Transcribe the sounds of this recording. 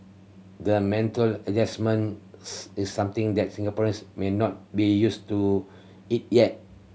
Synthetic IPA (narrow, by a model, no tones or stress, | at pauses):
dəmɛ̃ntələd͡ʒɛsmə̃nsisːãmt̪ĩŋdɛt̚sĩŋɡapɔɹə̃nsmenɔt̚bijustu | it̚jɛt̚